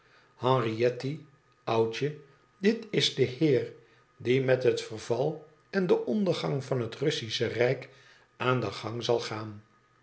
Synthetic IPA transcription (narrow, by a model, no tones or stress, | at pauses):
hɑ̃riɛti | ɑwt͡ʃə | dɪtɪzdəhɪːr | dimɛtɦətfərvɑlˠ | ɛndəʔɔndəχɑŋvɑnɦətrɵsisərɛjk | ʔaːndəχɑŋzɑlˠχaːn